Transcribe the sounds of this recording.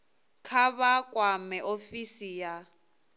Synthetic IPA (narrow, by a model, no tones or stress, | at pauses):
kʰaβakʼwamɛʔofisija